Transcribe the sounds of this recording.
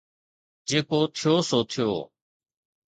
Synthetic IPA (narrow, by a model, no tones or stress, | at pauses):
d͡ʒeːkoːt̪ʰɪjoːsoːt̪ʰɪjo̰ː